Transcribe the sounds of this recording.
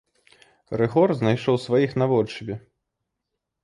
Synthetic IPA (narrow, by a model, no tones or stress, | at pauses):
rɨɣɔrznajʂɔwsvajixnavɔlʲt͡ʂɨbʲɛ